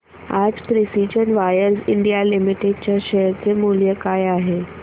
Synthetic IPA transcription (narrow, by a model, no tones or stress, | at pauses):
ad͡zt̪ɾisid͡zənʋajəɾziɳɖijalimiʈeɖ̚t͡ɕjaɕejəɾt͡semuljəkajaɦe